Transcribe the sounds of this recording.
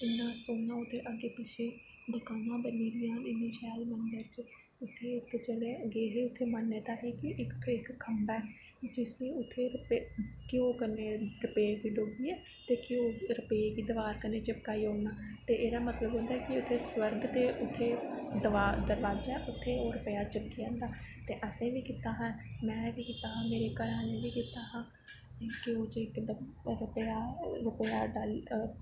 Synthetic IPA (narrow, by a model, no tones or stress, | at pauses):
ɪnːãːsoːnaːʊt̪ʰːeːʔəɡeːpɪʃʰeː | d̪ʊkaːnãːbəniːɾɪjãːnɪniːʃɛːlmənd̪əɾt͡ʃ | ʊt̪ʰːeːt̪ʰːõːt͡ʃəleːəɡeːɦeːʊt̪ʰːeːmənːeːt̪aːɦiːkɪʔɪkɪkkʰːəmbɛː | d͡ʒɪseːʊt̪ʰːeːɾpekɪoːkəneːɾəpeːɡiːɖobiːɛː | t̪eːkɪoːɾəpeːɡiːd̪əʋaːɾkəneːt͡ʃɪpkaːioːnaːt̪eːʔeːɾaːmət̪ləbɦʊ̃ːnd̪aɛːkɪʊt̪ʰːeːswəɾɡt̪eːʔʊt̪ʰːeːd̪əʋaːd̪əɾʋaːd͡ʒaɛʔʊt̪ʰːeːoːɾəpəjaːt͡ʃəp̚kijãːnd̪aːt̪eːʔəsẽːʋiːkɪt̪aːɦãmɛ̃ːʋiːkɪt̪aːɦãːmeːɾeːkəɾaːlẽːʋiːkit̪aːɦãː | sẽkɪoːt͡ʃɪkd̪ɾəpːaːɾəpjaːɖaːl